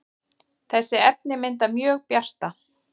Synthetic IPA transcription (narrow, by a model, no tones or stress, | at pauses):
θɛsːɪɛp̚nɪmɪnt̪amjœːɣpjar̥t̪a